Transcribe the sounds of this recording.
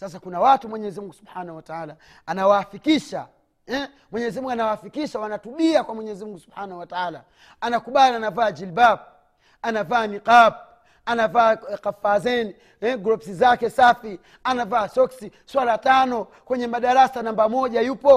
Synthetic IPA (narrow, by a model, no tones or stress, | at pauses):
sas̬akunawatumwɛɲɛːzimuŋɡusubħanahuwataala | anawaːfikiʃa | ɛ | mwɛɲɛzimuŋɡanawaːfikiʃawanatuɓiakwamwɛɲɛːzimuŋɡusuɓhanahuwataala | anakuɓalianavaːd͡ʒilbap̚ | anavaːniqap̚ | anavaːkafazɛni | ɛɡɾɔpsizakɛsafi | anavaːsɔksiswalatanɔ | kwɛɲɛmaɗaɾasanambamɔʄajupɔ